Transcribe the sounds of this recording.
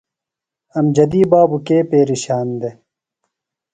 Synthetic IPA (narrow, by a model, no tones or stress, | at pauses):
ɐmd͡ʑɐd̪iːbaːbukeːpeːɾiɕaːnd̪e